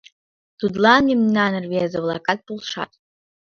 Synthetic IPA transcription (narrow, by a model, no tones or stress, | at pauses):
d̥ud̪lanimnanɨrveazɨwlˠakʼat̚pʼulˠʂa̰tʼ